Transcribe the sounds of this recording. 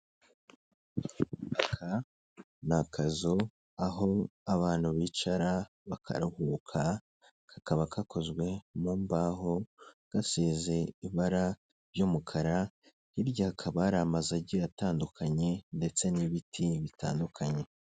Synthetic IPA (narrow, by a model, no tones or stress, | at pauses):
akʰa | nakʰazo | aɦo̞aβaːn̥huβit͡ʃaɾa | βakʰa̰ɾuhuːkʰa | kakaβakʰako̞zɡwe̞mombaɦoɡ̥aseːze̞iβaɾa | ɾjomukʰaɾa | hiɾɟakʰaβaɾamazaɟijataːndukʰaɲe̞nde̞t͡se̞niβitʰiβita̰ːndukʰaɲe̞